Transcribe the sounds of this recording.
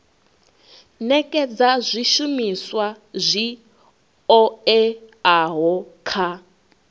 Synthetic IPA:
nɛkʼɛd͡zazʷiʃumiswa | zʷi | ɔɛaɦɔkʰa

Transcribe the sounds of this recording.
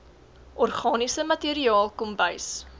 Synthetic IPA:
ʔɔrχɑːnisəmɐtiːɾiɑːlˠkɔmbəjs

